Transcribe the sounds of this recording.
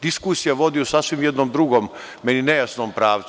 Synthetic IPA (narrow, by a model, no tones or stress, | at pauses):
d̪̥iskuːsijaʋo̞d̪iusasʋimjɛd̪nomd̪ɾuɡom | meninejasnoːmpɾaːʋ̪